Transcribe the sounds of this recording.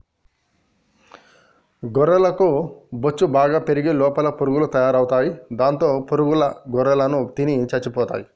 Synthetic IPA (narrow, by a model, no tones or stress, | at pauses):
ɡɔɾɐlɐkubot͡ʃːubaːɡaːpe̞ɾiɡilɔːpɐlɐpuɾuɡulut̪ɐjaːɾɐwt̪aːjid̪aːnt̪o̞ːpuɾuɡulɐɡɔɾɐlɐnut̪init͡ʃɐt͡ʃːipɔːt̪a̰ːji